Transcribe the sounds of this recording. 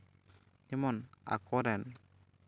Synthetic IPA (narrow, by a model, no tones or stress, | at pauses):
imɔna̰kʰɔɾɛn